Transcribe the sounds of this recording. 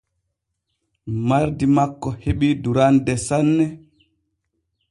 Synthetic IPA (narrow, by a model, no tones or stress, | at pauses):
maɾdimakːɔheɓiduɾandɛsanːɛ